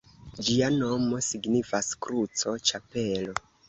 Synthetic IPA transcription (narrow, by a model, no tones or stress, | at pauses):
d͡ʒiano̞mo̞siɡnifaskɾut͡so̞t͡ʃape̞lo̞